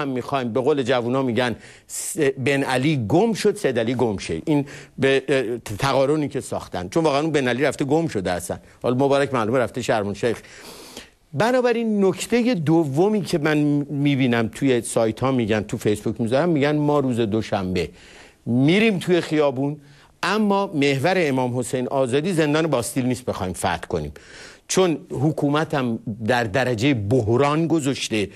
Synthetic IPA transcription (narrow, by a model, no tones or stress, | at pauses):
æmːixɒjmbe̞ɣoːle̞d͡ʒævunɒːmiːɟæn | sbenæliːɡomʃo̞d̪sed̪æliːɡomʃḛʔinbet̪ʰæɣɒːɾoniːcʰe̞sɒ̰ːxt̪æ̰nd̪̥t͡ʃʰo̞nvɒːɣeænunbe̞næliɾæft̪eɡomʃo̞d̪eæst̪æ̰nd̪hɒːlmobɒːɾæcʰmælumeɾæft̪eʃæɾmonʃejx | bænɒːbæɾinːocʰt̪ʰe̞je̞d̪ovːomiːcʰe̞mænmiːbiːnæmt̪ʰuje̞sɒːjt̪ʰhɒːmiːɟænt̪ʰufejsbucʰmizɒɾæmːiːɟænmɒːɾuːze̞d̪oʃæmbe̞ | miɾimt̪ʰuje̞xijɒːbuːn | ʔæmːɒːme̞hvæɾeːmɒːmho̞sejnʔɒːzɒːd̪iːzend̪ɒːnebɒːst̪iːlniːst̪̚be̞xɒːimfæ̰ɾt̪ko̞nḭːmt͡ʃʰo̞nhukʰuːmæt̪ʰæmd̪æɾd̪æɾæd͡ʒejeboɦɾɒːnɡozoʃt̪e̞